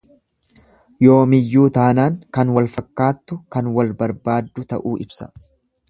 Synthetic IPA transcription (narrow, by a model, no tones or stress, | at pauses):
jo̞ːmɪjːuːt̪aːnaːŋkɐnwɐlfɐkːaːt̪ːʊkɐnwɐlbɐɾbaːd̪ːʊt̪ɐ̰ʔuːɪbsɐ̥